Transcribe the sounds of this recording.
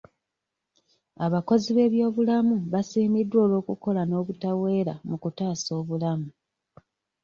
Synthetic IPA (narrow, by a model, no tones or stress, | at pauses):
aβako̞ziβe̞ːβjo̞ːβulamuβasiːmidwo̞ːlo̞ːkuko̞lano̞ːβutawe̞ːɾamukutaːso̞ːβulamu